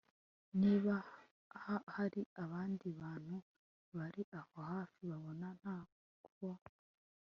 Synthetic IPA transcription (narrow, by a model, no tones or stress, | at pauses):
niːβa | hahaɾiaβaːndiβaːn̥hu | βaɾiʔahohaːfiβaβo̞nan̥haː | kuβo